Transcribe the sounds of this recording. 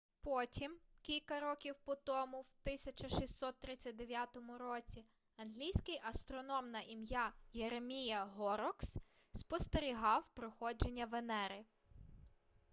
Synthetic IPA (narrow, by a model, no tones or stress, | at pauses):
pɔtʲimkʲilʲkɐɾɔkʲiwpɔt̪ɔmʊwt̪ɪsʲɐt͡ʃɐʃisːɔt̪̚ːɾɪt͡sʲːɐt̚ʲd̪eʋʲjat̪ɔmʊɾɔt͡sʲi | ɐnɦlʲijsʲkɪjʔɐst̪ɾɔnɔmnɐʔimjajeɾemʲijɐɦɔɾɔks | spɔst̪eɾʲiɦɑwpɾɔxɔd͡ʒe̞nʲːɐʋenɛɾɪ